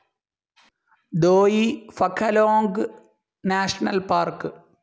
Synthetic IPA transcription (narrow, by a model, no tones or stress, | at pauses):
d̪oːjifɐkʰːɐloːŋɡɨ | naːʂɐnɐlpaːrkɨ